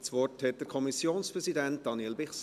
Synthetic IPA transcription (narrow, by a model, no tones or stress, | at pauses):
t͡sʋɔrthɛt̚d̥əɾkʰɔmisjoːnspɾɛsidænt̚d̥ɑnelbɛχs